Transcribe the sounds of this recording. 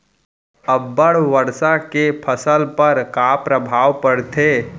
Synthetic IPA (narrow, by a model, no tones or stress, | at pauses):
əbːəɽ̤ʋəɾsakepʰəsəlpəɾkaːpɾəbʱaːʋpəɽt̪ʰeː